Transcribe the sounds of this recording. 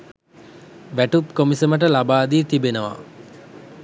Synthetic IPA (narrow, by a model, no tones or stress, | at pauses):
ʋæʈupkomisəməʈ̬əlabaːd̪iːt̪ibenəʋa̰